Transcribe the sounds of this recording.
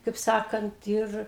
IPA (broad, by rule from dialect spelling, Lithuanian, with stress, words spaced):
kɐɪp ˈsɑːkɐnt ˈɪr